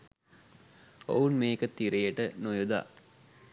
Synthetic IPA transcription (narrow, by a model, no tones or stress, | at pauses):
o̰unmeːkət̪ːiɾejəʈənojud̪a̰ː